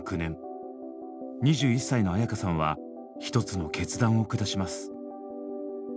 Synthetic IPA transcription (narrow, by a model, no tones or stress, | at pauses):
kɯ̟nẽ̞ŋ | ɲ̟iʑɨːisːaino̞ajakasãβa̰ | çi̥t̪o̞t͡sɨno̞ke̞t͡sɨd̪ãɰ̃o̞kɯ̟d̪aɕimasɨ̥